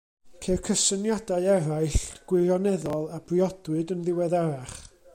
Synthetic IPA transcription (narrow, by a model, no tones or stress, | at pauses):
kʰekʰəsənjadaɨɛɾajɬɡ̥wɪɾjɔnɛðɔlˠab̥riɔdwɨdənðɪwɛðaɾaχ